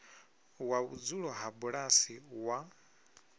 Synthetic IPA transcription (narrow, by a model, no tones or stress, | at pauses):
waud͡zuɺɔɦabuɺasiwa